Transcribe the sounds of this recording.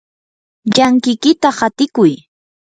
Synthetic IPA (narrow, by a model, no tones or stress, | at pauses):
ʎaŋkɪjkɪt̪ahat̪ɪkʊj